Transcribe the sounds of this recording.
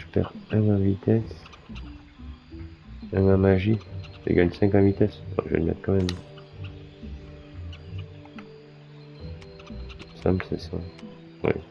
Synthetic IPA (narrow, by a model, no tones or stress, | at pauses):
ʒəpɛ̰ʁɛnãvit̪ɛs | ɛ̃nãmaʒidə̰ɡaɲsɛ̃kɑ̃vit̪ɛsɛ̰̃ʒəvɛ̰lmɛ̰t̪kɑ̃mɛm | sɛ̰̃plsɛsa̰ | wɛ̰